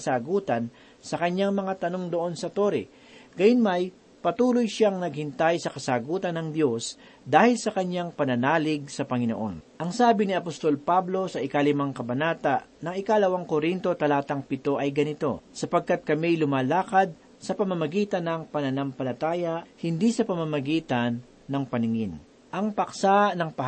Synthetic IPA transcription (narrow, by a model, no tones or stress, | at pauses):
ɐsaːɡuːt̪ɐn | sɐkɐɲːaŋmɐŋat̪ɐno̞ŋd̪oʔo̞nsɐt̪o̞ɾɪ | ɡ̥ɐjʊnmɐj | pɐt̪uːlojʃaŋnɐɡ̚hɪnt̪ajsɐkɐsaːɡuːt̪ɐnːɐŋd̪jo̞s | d̪aːhɪlsɐkɐɲːaŋpɐnɐnaːlɪɡ̚sɐpɐŋɪno̞̰ʔo̞̰nʔɐŋsaːbɪnɪɐpost̪o̞lpablo̞sɐʔɪkalɪmaŋkɐbɐnaːt̪aʔnɐŋɪkalɐwaŋkoɾint̪o̞t̪ɐlaːt̪ɐŋpɪt̪o̞ʔɐjɡɐnɪt̪o̞̰sɐpɐɡ̚kat̪̚kɐmilʊmaːlaːkɐd̪̚ | sɐpɐmɐmɐɡiːt̪ɐnːɐŋpɐnɐnampɐlɐt̪aːjɐhɪnd̪isɐpɐmamɐɡiːt̪ɐnː | ɐŋpɐnɪŋɪn | ʔɐŋpɐksanɐŋpɐ